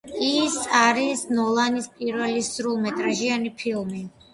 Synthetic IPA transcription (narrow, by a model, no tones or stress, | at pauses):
isaɾisnɔlˠanispʼiɾvɛlisɾulˠmɛt̪ʼɾaʒianipʰilˠmi